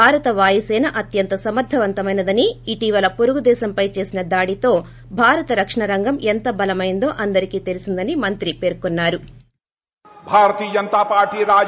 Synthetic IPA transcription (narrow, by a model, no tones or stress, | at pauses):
aːɾɐt̪ɐʋaːjisɛːnɐʔɐt̪jɐnt̪ɐsɐmɐɾd̪ʱːɐʋɐnt̪ɐmɐjnɐd̪ɐniːʈiːʋɐlɐpoɾuɡud̪ɛːʃɐmpɐjt͡ʃe̞ːsinɐd̪aːɽit̪o̞ː | bʱaːɾɐt̪ɐɾɐkʂɐɳɐɾɐŋɡɐment̪ɐbɐlɐmɐjind̪o̞ːʔɐnd̪ɐɾikiːt̪e̞lisind̪ɐnimɐnt̪ɾipe̞ːɾkunːaːɾu | bʱaːɾɐt̪iːd͡ʒɐnt̪aːpaːɾʈiːɾaː